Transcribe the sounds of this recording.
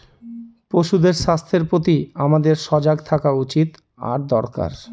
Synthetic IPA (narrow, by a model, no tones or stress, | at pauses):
poʃud̪eɾʃast̪ʰeɾpɾot̪iamad̪eɾʃɔd͡ʑaɡ̚t̪ʰakaut͡ɕit̪ | a̰ɾd̪ɔɾka̰ɾ